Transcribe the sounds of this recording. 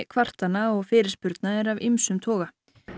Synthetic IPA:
kʰvar̥t̪anːaɔɣfɪːɾɪɾ̥spʏɾt̪naɛɾavɪmsʏmt̪ʰɔːɣa

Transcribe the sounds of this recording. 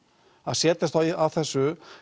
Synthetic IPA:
aðsjɛːt̪ast̪aawθɛsːʏ

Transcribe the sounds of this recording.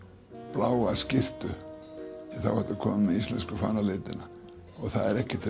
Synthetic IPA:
plaːwascɪr̥t̪ʏ | iθa̰whɛt̪ʏkʰɔːmɪmːɛðist̪lɛnskʏfa̰ːnalɪːt̪ɪna | ɔɣθaðɛɾɛhcɪ̥t̪ʰɪ

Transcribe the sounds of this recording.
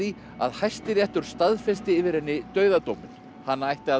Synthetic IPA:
i | a̰ðhajst̪ɪɾɛht̪ʏɾ̥st̪aðfɛst̪ɪɪːvɪɾɪnːɪt̪œːɥðat̪oːwmɪn | hanːajht̪ɪa

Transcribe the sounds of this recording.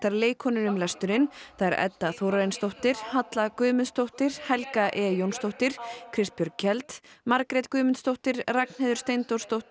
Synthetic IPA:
θaɾleːjkʰɔnʏɾʏmlɛst̪ʏɾɪnθaðɛɾʔɛ̰t̪ːaθowɾaɪnst̪owht̪ɪɾ̥hat̪lakʏːmʏnst̪owht̪ɪɾ̥hɛlkaʔɛːjownst̪owht̪ɪɾ̥kʰɾɪst̪̚pjœɾcʰɛlt̪maɾkɾɛt̪kʏːmʏnt̪st̪owht̪ɪɾrakn̥heðʏ̥ɾst̪ejnt̪owɾ̥st̪owht̪ɪ

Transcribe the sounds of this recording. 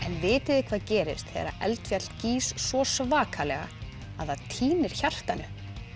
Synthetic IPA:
ɛnvɪːt̪ɪðɪkʰvaːðcɛːɾɪst̪θɛ̰ɾa̰ʔɛ̰lt̪fjal̥t̪ciːsːvɔsvaːkʰalɛ̰ɣa̰ | aðaðt̪ʰiːnɪɾ̥çar̥t̪anʏ

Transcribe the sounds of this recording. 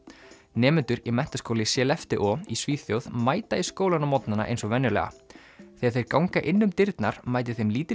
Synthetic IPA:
nɛːmʏnt̪ʏɾimɛn̥t̪askowlɪsjɛːlɛft̪ɪʔɔisviːθjowðmaːjt̪aiskowlanamɔt̪nana̰ʔḛjnsɔvɛnːʏlɛ̰ɣa̰ | θejaɾθejɾkawŋkaʔɪnːʏmt̪ɪɾt̪naɾ̥majt̪ɪθejmliːt̪ɪ

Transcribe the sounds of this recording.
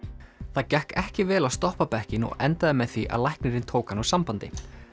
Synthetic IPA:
θaðcɛhkɛhcɪvɛːlast̪ɔhpapɛhcɪnɔ̰ɣɛnt̪aðɪmɛðθiʔa̰ðlajhknɪɾɪnt̪ʰoːwkanɔsampant̪ɪ̰

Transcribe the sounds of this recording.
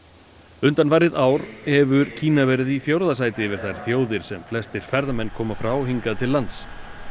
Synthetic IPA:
ʏnt̪anvajɾɪðaːwɾɛvʏɾcʰiːnavɛɾɪðifjowɾðas̬aːjt̪ɪvɪɾ̥θajɾ̥θjoːwðɪɾ̥sɛmflɛst̪ɪɾ̥fɛɾðamɛnːkʰɔːmafɾawɦiŋkaðt̪ʰɪlːant̪s

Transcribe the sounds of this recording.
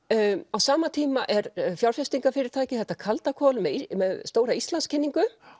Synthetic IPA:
awsaːmat̪ʰiːmaʔɛɾfjawɾ̥fjɛst̪iŋkafɪːɾɪɾt̪aːjcɪθɛht̪ːakʰalt̪akʰɔlmɛðimɛðst̪oːwɾaist̪lanscʰɛnːiŋkʏ

